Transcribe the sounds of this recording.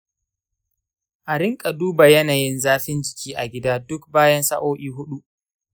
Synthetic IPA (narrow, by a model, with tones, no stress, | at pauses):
ʔa˨ɾɪ˦ŋkʼa˨duː˦ba˨jɐ˦naː˨jɪ˦nzaː˦ɸɪ˦nd͡ʒɪ˨kʲʰiː˦ʔa˨ɡʲɪ˦daː˦dʊ˦k̚baː˦jɐ˦nsɐ˦ʔoː˦ʔʲiː˦ɦʊ˦ɗu˦ʔ